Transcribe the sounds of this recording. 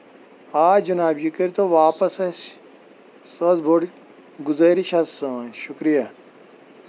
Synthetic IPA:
aːd͡ʒɐnaːbjikɐɾt̪oʋaːpɐsɐs | sozbʱoɽ | ɡuzɐɾiʃɐsãːnʃukɾijɐ

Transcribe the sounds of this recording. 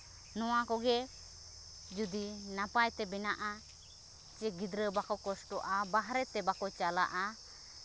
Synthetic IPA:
nɔwakɔɡɛ | d͡ʒud̪inapajt̪ɛbɛnaʔa | t͡ʃɛɡid̪ɾəbakɔkɔsʈɔʔabaɦɾɛt̪ɛbakɔt͡ʃala̰ʔa

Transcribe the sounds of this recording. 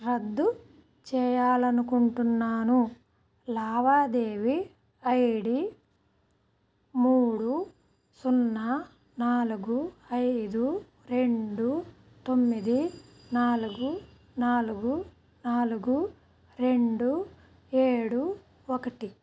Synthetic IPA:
ɾɐd̪ːu | t͡ʃɛːjaːlɐnukuɳʈunːaːnu | laːʋaːd̪eːʋi | ɐjɽi | muːɽu | sunːɐ | naːluɡuɐjd̪u | ɾe̞ɳɖu | t̪omːid̪i | naːluɡu | naːluɡu | naːluɡu | ɾe̞ɳɖu | eːɽu | ɔkɐʈi

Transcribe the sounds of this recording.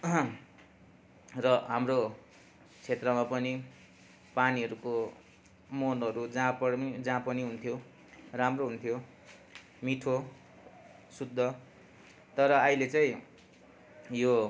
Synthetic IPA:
rʌɦamro | t͡sʰet̪rʌmapʌni | paniɦʌɾuko | monʌɾud͡zãpʌd͡zãpʌniɦunt̪ʰjo | ramroɦunt̪ʰjo | miʈʰo | sud̪ʱːʌ | t̪ʌɾʌːilet͡saĩ | jo

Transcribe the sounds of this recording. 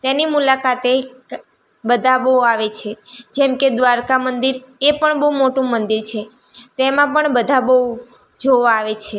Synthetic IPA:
t̪enimulakat̪e | bəd̪ʱabəuaʋet͡ʃʰed͡ʒɛmked̪ʋaɾkamənd̪iɾepəɳbəɦumoʈũmənd̪iɾt͡ʃʰe | t̪emãpəɳbəd̪ʱabəu | d͡ʒoʋaːʋet͡ʃʰe

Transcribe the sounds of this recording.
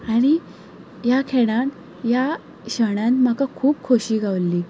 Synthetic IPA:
aɽ̃i | jakʰeɽ̃an | ja | ɕəɽ̃anm̤əkakʰuːb̚kʰoɕiːɡʱaʋlːiː

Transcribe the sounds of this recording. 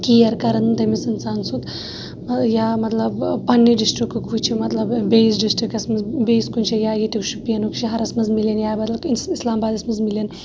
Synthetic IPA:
kijɐɾkɐɾɐnɨnt̪ɐmisɐnt͡saːnsut̪ | ɐjaːmɐt̪lɐbpɐnːiɖisʈɾikːɨkʰut͡ʃʰimɐt̪lɐbbeːsɖisʈɾikɐsmɐzbeːskunʲt͡ʃʰijaːjit̪ikʃʰupijɐnukt͡ʃʰiɦɐɾɐsmɐzmilenjaːbɐt̪lɐkinsislaːmbaːd̪ɐsmɐzmilen

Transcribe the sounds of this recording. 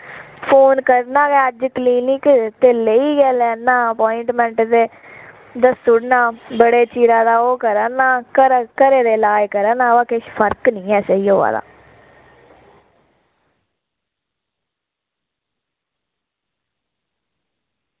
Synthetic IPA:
pʰoːnkəɾnãːɡɛːəd͡ʒkliːnikt̪eːləiːɡɛːlɛːnːãːəpɔːɪɳʈmɛ̃ːɳʈd̪eː | d̪əsʊɽnãːbəɽeːt͡ʃiːɾãːd̪aːoːkəɾəːnaːkəɾkəɾeːd̪eːlaːjkəɾəːnaːaːkɪʃpʰəɾknĩːɛːsəiːɦoːa̰ːd̪a̰ː

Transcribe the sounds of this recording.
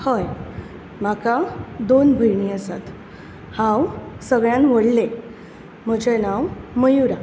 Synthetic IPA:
həj | makad̪onbʱəjɳiəsa̰t̪ | hãwsəɡɭjãnʋəɽle | m̤əd͡ʑenawməjuɾa

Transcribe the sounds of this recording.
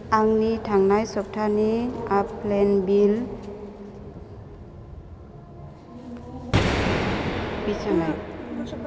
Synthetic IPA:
aŋnitʰaŋnajsɔp̚tʰaniapʰlenbil | bit͡ʃʰana

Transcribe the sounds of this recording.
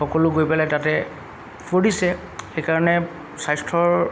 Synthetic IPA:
xɔkɔlʊɡojpɛlɛtatɛ | fʰoɹisɛ | xejkaɹɔnɛ | sajstʰɹɔɹ

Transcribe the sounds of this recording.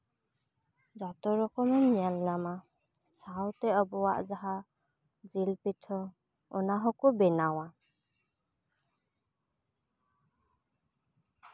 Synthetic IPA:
zatɔɹɔkɔmanmijalːama | sawtɛɔbɔwaʔzaɦa | zilpitʰɔ | ɔnaɦɔkɔbɛnawa

